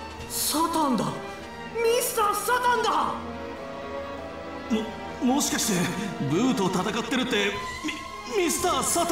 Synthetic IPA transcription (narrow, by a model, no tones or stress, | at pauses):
sat̪ãnd̪a | mʲisɨ̥t̪aːsat̪ãnd̪a | mo | mo̞ɕi̥kaɕi̥t̪e̞ɡɯ̟ːt̪o̞t̪at̪akat̪ːe̞ɾɯ̟t̪ːe̞ | mi | mʲisɨ̥t̪aːsat̪